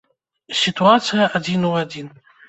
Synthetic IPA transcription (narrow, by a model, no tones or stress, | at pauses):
sʲit̪uat̪sɨjɐad͡zʲinuad͡zʲin